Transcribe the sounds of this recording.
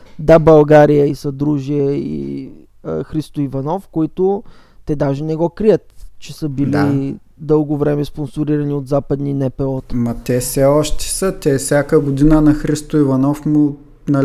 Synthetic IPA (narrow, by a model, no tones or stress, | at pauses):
d̪abɐlˠɡaɾijəisɐd̪ɾuʒijəḭ | ə̰xɾist̪ʊivɐnɔfkoit̪ʊ | t̪ɛd̪aʒɛnɛɡɔkɾijət̪t͡ʃɛsəbili | d̪ɤlˠɡʊvɾɛmɛsponsʊɾiɾɐniot̪zapɐd̪ninɛpɛɔt̪mɐt̪ɛsɛɔʃt̪ɛ̥sət̪ɛfsʲjakəɡʊd̪inənɐxɾist̪ʊivɐnɔfmu | nɐ